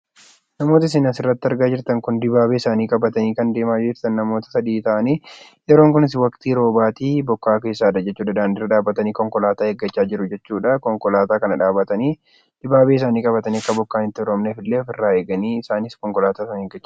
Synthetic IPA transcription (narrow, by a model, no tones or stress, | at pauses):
nɐmo̞ːt̪ɐɪs̬ɪnɐsɪrːɐt̪ːɐɾɡaːd͡ʒɪɾt̪ɐŋkʊnd̪ɪbaːbeːɪsaːniːkʼɐbɐt̪ɐniːkɐnd̪e̞ːmaːd͡ʒd͡ʒɪɾt̪ɐnːɐmo̞ːt̪ɐ̥sɐd̪iːt̪ɐʔɐniː | jɛɾo̞ːŋkʊnɪs̬wɐkt̪iːɾo̞ːbaːt̪iːbɔkːaːke̞ːsːaːᶑɐd͡ʒɛt͡ʃːuːᶑɐd̪aːnd̪ɪɾːɐᶑaːbːɐt̪ɐniːkɔŋkɔlaːt̪aːhɛɡːɐt͡ʃːaːd͡ʒɪɾʊd͡ʒɛt͡ʃːuːᶑɐkɔŋkɔlaːt̪aːkɐnɐᶑaːbɐt̪ɐniː | d̪̥ɪbaːbeːɪs̬aːniːkʼɐbɐt̪ɐniːɐkːɐbɔkːaːnɪt̪ːɪɔɾɔmnefɪlːeːɔfɪrːaːe̞ːɡɐniːɪsaːnɪskɔŋkɔlaːt̪aːsɐnhɛɡːɐt͡ʃːa